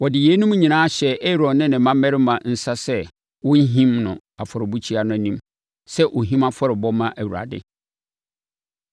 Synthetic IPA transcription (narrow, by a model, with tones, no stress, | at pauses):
wɔ˨dɪ˨jeː˨˦nũ˦mũ˦ɲĩ˨nãː˦a˦ɕɛ˨e˦ɾɔ˨nɪ̃˦nɪ̃˨mã˦mːɛ˦ɾɪ˦mã˨n̩˨sa˦sɛ˦ | wʊ̃˦ɲ˦ɦĩ˦mnʊ̃˨ | a˨fɔ˨ɾɪ˨bu˦t͡ɕʰi˦a˨nʊ̃˦æ˨nĩ˦m | sɛ˦ʔo˨ɦĩ˦ma˦fɔ˦ɾɪ˨bɔ˦mã˦ʔæ˨wu˨ɾa̰˨dɪ̰˦